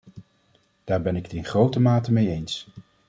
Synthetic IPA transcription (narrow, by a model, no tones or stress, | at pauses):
d̥aːɹbɛnɪkətɪnχrowtəmaːtəmejejns